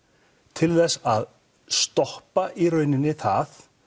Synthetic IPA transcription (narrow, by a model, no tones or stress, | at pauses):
t̪ʰɪlθɛsað | st̪ɔhpaʔirœːɥnɪnːɪθaθ